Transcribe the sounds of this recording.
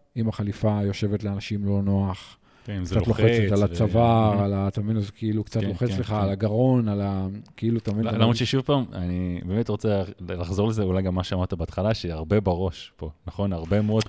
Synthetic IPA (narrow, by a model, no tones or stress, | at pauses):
imaχalifajo̞ʃe̞vetleanaʃimlo̞no̞aχ | kt͡satloχet͡set̪alat͡savaʁalat̪avinozekʰeilukt͡sat̪loet͡sle̞χaaalaɡaʁo̞nalakeiluat̪amminlamʁott͡ʃeʃuvpaːmanibeːmetʁot͡selaχzolezeulajɡamːaʃeamaʁt̪abeaːt̪χalaʃeaʁbe̞beʁo̞ʃpo̞naχo̞naʁbemuod̪